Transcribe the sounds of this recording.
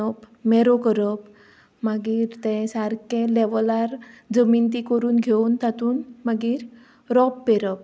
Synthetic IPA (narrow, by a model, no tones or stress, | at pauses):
əp | mɛɾokəɾəp | maɡiːɾt̪ɛ̃saɾkẽlɛʋlaɾd͡zəmint̪ikəɾuːnɡʱeunt̪at̪uːnmaɡiːɾ | ɾɔpːeɾəp̚